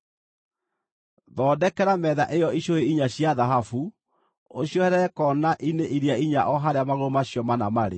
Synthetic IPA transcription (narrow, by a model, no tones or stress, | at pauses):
ðɔːdɛkɛɾamɛða̰ʔejɔiɕoeiɲaɕjaðaɦafu | oɕjɔhɛɾɛɾɛkɔnaʔineʔiɾiaiɲaʔɔɦaɾeamaɣoɾomaɕjɔmana̰maɾḛ